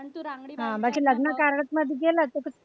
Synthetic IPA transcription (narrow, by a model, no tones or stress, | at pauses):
ɦãbaɡd͡ʑiːləɡnəkaɾɳət̪məd̪ʱjiɡelət̪əkət͡s